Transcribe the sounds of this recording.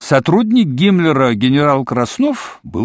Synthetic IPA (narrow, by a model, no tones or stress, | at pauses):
sɐt̪ɾud̪ʲnʲɪk̚ɡʲimlʲɪɾəɡʲɪnʲɪɾalˠkɾɐsnofbɨ̰